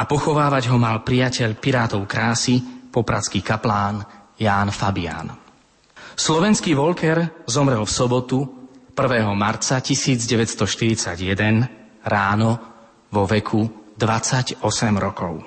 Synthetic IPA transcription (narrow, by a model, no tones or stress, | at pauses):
apɔxɔʋaːʋaɟɦɔmalpɾijacɛʎpiɾaːt̪ɔʊkɾaːsipɔpɾat͡skiːkaplaːn | jaːnfabia̰ːn | slɔʋɛnskiːʋɔlkɛɾzɔmɾɛlfsɔbɔt̪upr̩ʋɛːɦɔmaɾt͡sacisiːd͡zɟɛʋɛtst̪ɔʃt̪iɾit͡saɟjɛd̪ɛn | ɾaːnɔ | ʋɔʋɛkʰud̪ʋat͡saɟɔsɛmɾɔkɔʊ